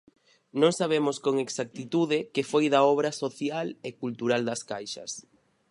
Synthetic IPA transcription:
nõŋsaβ̞emoskoŋeksak̚t̪it̪uðɪkefojðaɔβ̞ɾasoθjalekult̪uɾald̪ɐskajʃɐ̰s

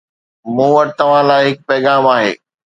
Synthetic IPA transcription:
mũːʋɐʈɪt̪ɐʋ̤ãlaːɪɦɪk̚pɛːɣaːmaːɦḛː

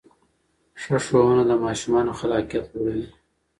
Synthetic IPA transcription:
ʂəʂounad̪əmɑʃumɑnoxalɑkijat̪woɽawi

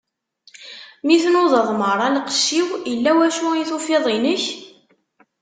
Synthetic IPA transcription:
miθnoðˤəðˤməɾˤɑlqə̥ʃːiwəlːæwæʃuiθufɪðˤinəç

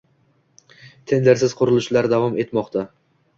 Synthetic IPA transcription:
t̪ʰe̞nd̪eɾsɪz̥qʰʊɾɪlˠɪʃlaɾd̪avɒme̞t̪mɒqt̪ʰa

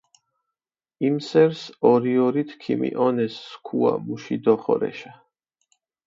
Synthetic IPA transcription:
imsɛɾsɔɾiɔɾit̪ʰkʰḭmḭʔɔnɛsːkʰua̰muʃid̪ɔχɔ̰ɾɛ̰ʃa

